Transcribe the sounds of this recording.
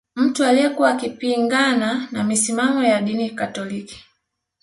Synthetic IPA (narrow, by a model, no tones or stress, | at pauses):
m̩tualijɛkuwakipiŋɡananamisimamɔjaɗinikatɔliki̥